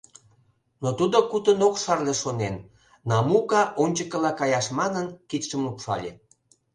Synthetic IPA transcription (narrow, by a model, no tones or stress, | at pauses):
not̪ud̪okut̪ənokʃɑrleʃonenː | ɑmukɑʔonʲt͡ɕəkə̆lɑkɑjɑʃmɑnənkit̪ʃəmlupʃɑ̰lʲe